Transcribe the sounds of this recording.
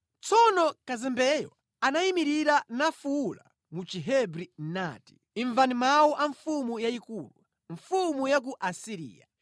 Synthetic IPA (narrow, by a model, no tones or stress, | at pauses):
t͡sɔnɔkazɛmbɛjɔ̰ | anaimiɾiɾanafuːla̰ | mut͡ʃiɦɛbɾin̩na̰ːti̥ | iɱvanimawɔʔaɱfumujaikuːlu | ɱfumujak̬uʔasiɾḭːja̰